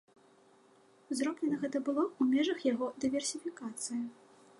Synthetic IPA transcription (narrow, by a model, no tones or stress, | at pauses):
zɾɔblʲɛnɐɣɛt̪ɐbɨlˠɔumʲɛʐɐxjaɣɔd̪ɨvʲɛrsʲifʲikat̪sɨjɐ